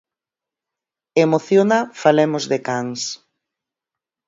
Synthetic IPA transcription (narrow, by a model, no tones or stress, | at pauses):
emoθjonɐfalemʊzðekaŋs